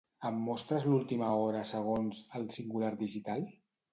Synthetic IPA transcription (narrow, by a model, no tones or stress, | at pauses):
əmːɔst̪ɾəzlulˠt̪iməɔɾəsəɣ̞onzəlˠsiŋɡulaɾd̪iʒit̪alˠ